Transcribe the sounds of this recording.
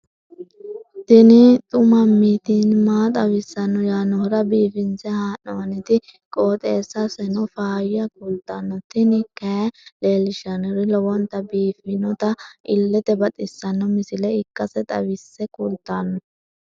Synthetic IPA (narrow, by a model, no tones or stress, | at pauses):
t̪ɪnɪt̪ʼʊmɐmːiːt̪inmaːt̪ʼɐwɪsːɐnːɔjaːnɔhɾɐbiːfɪnsɛhaːnɔɐnɪt̪ɪ | kʼoːt̪ʼeːsːɐsɛnɔfaːjɪjɐkult̪ːanːɔt̪ɪnɪkɐleːlɪʃɐnɔɾɪlɔwɔnt̪ɐbiːfɪnɔt̪ɐʔɪlːɛt̪ɛbɐt̪ʼɪsːɐnːɔmɪsɪlɛɪkʼːɐsɛt̪ʼɐ̰wɪsːɛkult̪ːanːɔ